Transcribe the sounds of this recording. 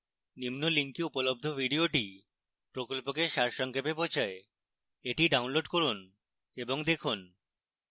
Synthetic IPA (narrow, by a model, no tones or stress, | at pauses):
nimnoliŋkiupolob̚d̪ʱobʱiɖioʈi | pɾokolpokeʃaɾʃɔŋkʰepepot͡ɕʰae | eʈiɖawnloɖkoɾun | eboŋd̪ekʰun